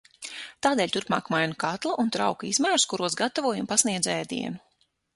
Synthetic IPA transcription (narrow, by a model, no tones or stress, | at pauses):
t̪aːd̪ɛːlʲt̪uɾpma̰ːkmajnukat̪lˠaʔunt̪ɾawkizmaːɾskuɾuɔsɡat̪avuɔjumpasniɛd̪zɛːd̪ḭɛnu